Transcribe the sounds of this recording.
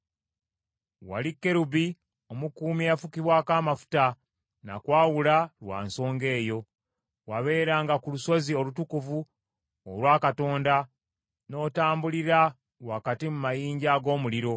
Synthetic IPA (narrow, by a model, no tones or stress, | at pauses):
wa̰likːe̞ɾuβi | o̞mukuːmiafukiβwaːkaːmafu̥ta | na̰kwaːwulalwa̰ːnso̞ːŋɡe̞ːjo̞ | waβe̞ːɾaːŋɡakuluso̞zio̞lutukuvu | olwaːkato̞ːnda | no̞ːtaːmbuliɾa | wakatimumajiːɲɟaɡo̞ːmuliɾo̞